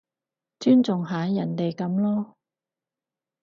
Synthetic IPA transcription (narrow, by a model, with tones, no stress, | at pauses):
t͡ʃyː˥nt͡sʊ˨ŋɦaː˨˥jɐ˨˩nt̪e˨jkɐ˨˥mlɔː˥